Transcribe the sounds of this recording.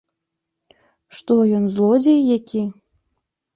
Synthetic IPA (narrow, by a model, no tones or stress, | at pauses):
ʂt̪ojɔnzlˠɔd͡zʲejːakʲi